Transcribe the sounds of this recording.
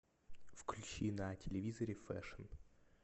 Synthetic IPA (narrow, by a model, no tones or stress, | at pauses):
fklʲʉt͡ɕinɐtʲɪlʲɪvʲizəɾʲɪfɛ̰ʂən